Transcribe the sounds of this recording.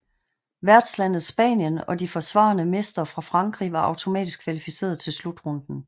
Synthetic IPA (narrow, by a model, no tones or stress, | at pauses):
ʋæɐd̥slæn̰ð̞̩ˠsb̥ɛ̰ːnjənɒ̽difɒ̽sʋɑ̰̈ːnəmesd̥ɐfʁɑ̈fʁɑ̈ŋɡ̥ʁḭːʋɑ̈ɑ̈ʊt͡sʰo̝mɛ̰ːd̥isɡ̥̚kʰʋælifise̝̰ːɐð̞̩ˠt͡sʰe̝lslud̥ʁɔ̽nd̥n̩